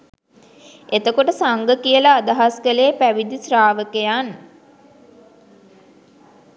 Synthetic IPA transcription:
et̪əkoʈəsaŋɡəkijəlaːd̪aɦaskəleːpæʋid̪israːʋəkəjan

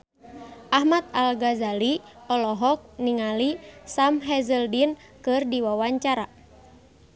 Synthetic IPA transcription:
ʔahmat̪̚alɡazali | ɔlɔɦɔk̚niŋalisamɦɛzəldinkɨrdiwawaɲt͡ʃaɾa

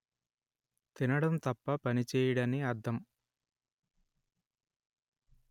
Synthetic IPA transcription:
t̪inɐɽɐmt̪ɐpːɐpɐnit͡ʃɛːjɐɽɐniɐɾd̪ʱɐm

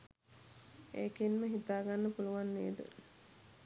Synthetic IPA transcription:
eːkinməɦit̪aːɡanːəpuluʋanːeːd̪ə̰

